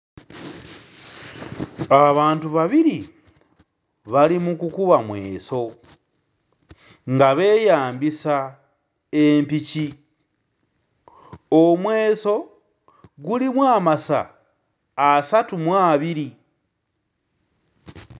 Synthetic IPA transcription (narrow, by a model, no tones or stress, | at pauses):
aβaːntuβaβiɾi | βalimukukuβamwe̞ːso̞ | ŋɡaβe̞ːjaːmbisa | empici | omwe̞ːso̞ | ɡulimwaːmasa̰ː | satumwaːβiɾi